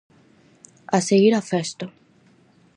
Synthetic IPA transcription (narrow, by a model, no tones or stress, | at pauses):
aseɣiɾafest̪o